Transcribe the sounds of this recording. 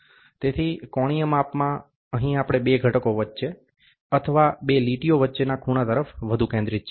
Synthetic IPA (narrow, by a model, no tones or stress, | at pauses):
t̪et̪ʰikɔɽ̃ijəmapmã | əɦĩapɽ̃ebeɡʱəʈəkoʋətːʃe | ət̪ʰəʋabeliʈijoʋətːʃenakʰuɽ̃at̪əɾəfʋəd̪ʱukɛ̃nd̪ɾitːt͡ʃʰ